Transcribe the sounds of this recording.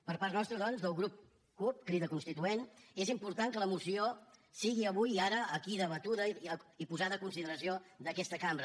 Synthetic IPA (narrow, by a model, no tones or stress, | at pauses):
pəɾpaɾt̪nɔst̪ɾəð̞ɔnzðəlˠɣɾup̚ | kup̚kɾiðəkunst̪it̪uenezimpuɾt̪aŋkələmusiosiɣiəβujaɾəːkiðəβət̪uðəipuzaðəːkunsiðəɾəsiod̪əkɛst̪əkambɾə